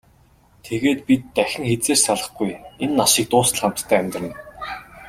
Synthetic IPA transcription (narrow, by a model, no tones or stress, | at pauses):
t̪ʰeɣeːt̪pʲit̪ːæxʲɪ̆ŋxet͡seːrsaɮə̆χɡujenːaʃĭːk̚t̪ʊːsə̆ɮχam̥t̪ːʰæːæmʲt̪rə̆n̆ː